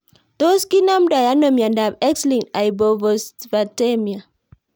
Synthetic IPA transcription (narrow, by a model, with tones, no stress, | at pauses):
t̪o˦ski˦na˦mda˨ja˦nɔ˨mia˨nda˨bɛ˦kslĩ˨nta˨jbo˨vɔ˨sva˨te˦mi˨a˨